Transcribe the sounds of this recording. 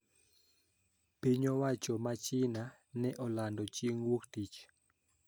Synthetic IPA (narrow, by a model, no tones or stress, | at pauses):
piɲɔwat͡ʃɔmat͡ʃɪna | nɛʔɔlandɔt͡ʃeŋwoktit͡ʃ